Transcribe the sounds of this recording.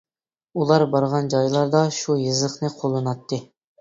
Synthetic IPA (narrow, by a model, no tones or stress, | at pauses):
ulˠɑɾbɑɾʁɑnd͡ʒɑjlˠɑɾd̪ɑʃujɨzəχnɨqʰolˠːɨnɑt̪ʰːɨ